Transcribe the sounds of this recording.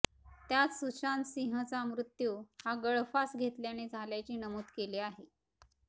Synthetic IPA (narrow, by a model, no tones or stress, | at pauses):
t̪jat͡ssut͡ɕansiɦət͡samɾut̪juhaɡəɭfasɡʱet̪ljaned͡zʱaljat͡ɕiːnəmut̪keleaɦe